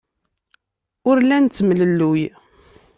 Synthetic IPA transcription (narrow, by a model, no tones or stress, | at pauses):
ʊɾlænt͡s̪ːəmləlːuj